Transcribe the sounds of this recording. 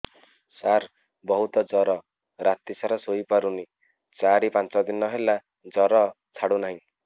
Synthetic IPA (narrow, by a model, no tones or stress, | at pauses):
sar | bʌɦut̪ɔd͡zɔɾɔ | ɾat̪ːisaɾʌsojpaɾuni | t͡saɾipãnt͡sɔd̪inːʌɦelːa | d͡zʌɾɔ | t͡sʰaɽunʌɦĩ